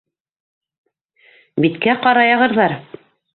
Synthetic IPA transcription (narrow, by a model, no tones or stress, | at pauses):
bit̪kæqɑɾɑjɑʁɤ̆ɾðɑɾ